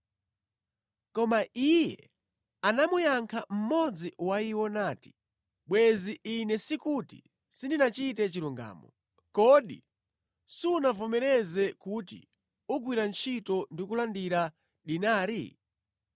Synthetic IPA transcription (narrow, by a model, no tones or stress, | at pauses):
kɔmaijɛ | anamujaŋkʰam̩mɔd͡ziwaiwɔnaːti̥ | ɓwɛziinɛsikutḭ | sindinat͡ʃitɛt͡ʃiɾuŋɡa̰ːmɔ | kɔɗḭ | siunavɔmɛɾɛzɛkutḭ | uɡwiɾant͡ʃʰitɔndikulandiɾa | ɗinaːɾḭ